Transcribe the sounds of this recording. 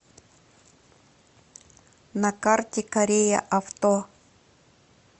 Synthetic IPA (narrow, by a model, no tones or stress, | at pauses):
nakaɾt̪ʲekaɾeja̰ʔaft̪o